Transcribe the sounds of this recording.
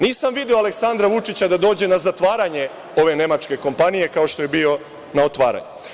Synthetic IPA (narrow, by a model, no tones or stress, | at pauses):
niːsamʋid̪io̞ale̞ksand̪ɾaʋut͡ʃit͡ɕad̪ad̪o̞ːd͡ʑe̞nazat̪ʋaːɾaɲe̞ | o̞ʋe̞ne̞mat͡ʃke̞ko̞mpanije̞kao̞ʃt̪o̞je̞bio̞ | nao̞t̪ʋa̰ːɾa̰ɲu